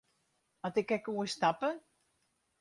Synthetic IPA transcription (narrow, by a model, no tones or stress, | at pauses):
atɪkɛkuəstapə